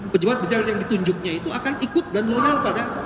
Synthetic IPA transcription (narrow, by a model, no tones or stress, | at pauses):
pəd͡ʒabat̪̚əd͡ʒarjaŋdit̪uɲd͡ʒʊk̚ɲait̪uakanikʊt̪̚danloɾalpada